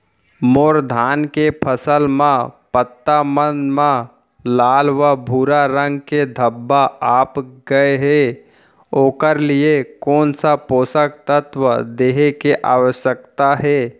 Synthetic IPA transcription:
moːɾd̪ʱaːnkepʰəsəlmãpət̪ːamənmã | laːlʋabʱuːɾaɾə̃ŋɡked̪ʱəbːaaːpɡəeɦɛ | oːkəɾliekɔːnsapoːsək̚t̪ət̪ʋəd̪eːɦekeʔaːʋəʃjək̚t̪aɦɛː

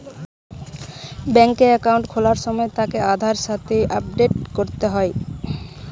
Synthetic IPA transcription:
bɛŋkeɛkawɳʈkʰolaɾʃɔmɔet̪akead̪ʱaɾʃat̪eʔap̚ɖeʈkoɾt̪eɦɔe

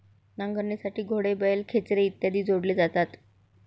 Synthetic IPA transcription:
nãŋɡʱəɾɳjasaʈiːɡʱoɽebəjelkʰet͡sɾeit̪jad̪iːd͡zoɽleːd͡zat̪at̪

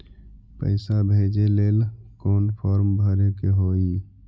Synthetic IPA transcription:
pə̰ɪsabʱed͡ʒeleːlkoːnpʰɔːɾmbʱəɾekeɦoi

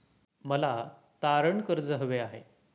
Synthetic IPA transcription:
məla | t̪aɾəɳkəɾd͡zəɦʋeaɦḛ

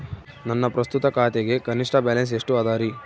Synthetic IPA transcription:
nɐnːɐpɾɐst̪ut̪ɐkaːt̪eɡe̞kɐniʂʈɐbaːlɐns̬eʂʈuɐːd̪aːɾi

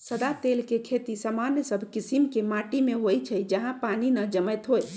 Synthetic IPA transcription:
səd̪at̪elkekʰet̪isamanjəsəbʱkisimkemaʈimeɦojt͡ʃʰəjd͡ʒəɦãpaninəd͡ʒəmɛt̪ɦoj

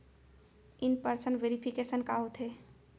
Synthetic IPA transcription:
inpəɾsənʋeɾipʰikesənkaɦot̪ʰɦe

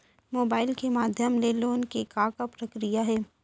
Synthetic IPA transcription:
moːbaːɪlkemaːd̪ʱjəmleːloːnkekaːkapɾɐkɾijaɦɛː

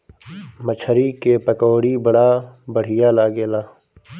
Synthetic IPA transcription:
mət͡ʃʰəɾikepɐkoːɽibəɽabəɽ̤ɪjaːlaːɡeːlaː

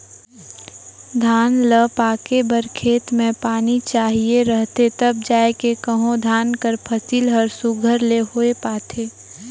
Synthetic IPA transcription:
d̪ʱaːnləpaːkebəɾkʰeːt̪mẽpaːnit͡ʃaːɦieɾəɦt̪et̪əb̚d͡ʒaːekekəɦõd̪ʱaːnkəɾpʰəsilɦəɾsuɡʱəɾleɦoːepaːt̪ʰeː

